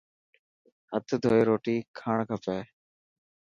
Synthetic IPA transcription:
hət̪ʰd̪ʱoːeːɾoːʈiːkʰaːɳkʰəpeː

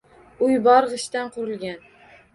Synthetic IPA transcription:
ʊjbɒɾʁɨʃt̪anqʰʊɾɪlˠɡʲan

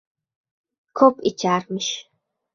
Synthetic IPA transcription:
kʰɔpʼit͡ʃʰaːrmɨʃ

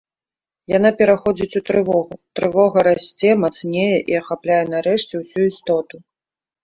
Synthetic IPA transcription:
janapʲɛɾaxɔd͡zʲit͡sʲut̪ɾɨvɔɣut̪ɾɨvɔɣɐɾasʲt͡sʲɛmat̪snʲejɛʔiɐxaplʲajɛn̪aɾɛʂt͡sʲɛwsʲuist̪ɔt̪u

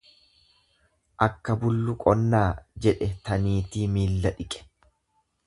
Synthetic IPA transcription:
ʔɐkːɐbʊlːʊkʼɔnːaːd͡ʒɛᶑɛt̪ɐniːt̪iːmiːlːɐᶑɪkʼɛ̥

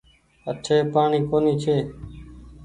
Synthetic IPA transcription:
əʈʰeːpaːɳiːkoːniːt͡ʃʰeː

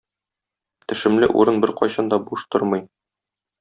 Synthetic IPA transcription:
t̪ɘ̆ʃɘ̆mlɘʔṵɾɤnbɘɾqɒjɕɑnd̪ɒbuʃt̪oɾmɤj

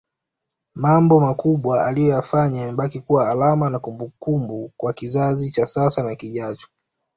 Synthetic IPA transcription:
mambɔmakuɓwaalijɔjafaɲaɛɓakikuwaːlamanakumbukumbukwakizazit͡ʃasasanakiʄat͡ʃɔ̥

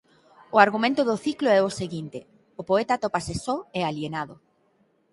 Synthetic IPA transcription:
ʊaɾɣumẽnt̪oðʊθikloɛoseɣint̪e | opoet̪at̪opasesɔealjenaðo

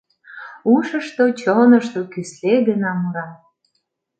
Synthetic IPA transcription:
uʃəʃt̪ot͡ɕonəʃt̪okysleɡənɑmuɾɑ

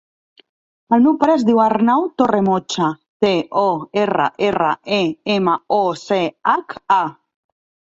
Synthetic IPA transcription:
almewpɾɛzd̪iwarnawt̪oremot͡ʃa | t̪eɔera̰ʔera̰ʔeemaɔseaka

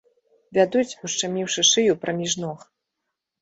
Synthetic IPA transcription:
vʲad̪ut͡sʲuʂt͡ʂamʲiwʂɨʂɨjupɾɐmʲiʐnɔx

